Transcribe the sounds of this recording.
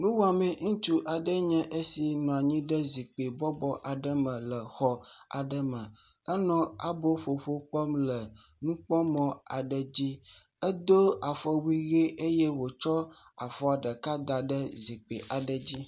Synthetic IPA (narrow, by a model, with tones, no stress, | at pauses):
nũ˦wɔ˦a˨mɛ̃˦˨ŋũ˦t͡ʃu˦ʔa˨ɖə˦ɲɛ̃˦ʔe˦si˨nɔ̃˨a˨ɲĩ˦ɖə˦zi˨k͡pe˨bɔ˦bɔ˦ʔa˨ɖə˦mə̃˨lə˨xɔ˨a̰˨ɖə˦mə̃˨ə˦nɔ̃˦a˨bo˦ɸo˨ɸo˦k͡pɔ˦mlə˨nũ˦k͡pɔ̃˦mɔ̃˨a˨ɖə˨d͡ʑi˦ | ə˦d̪o˦a˨fɔ˨wi˦ɣe˦e˦jɛ˦wo˨t͡ʃɔ˦a̰˨fɔ˦a˨ɖə˨ka˦d̪a˨ɖə˦zi˨k͡pḛ˨ʔa˨ɖə˨d͡ʑi˦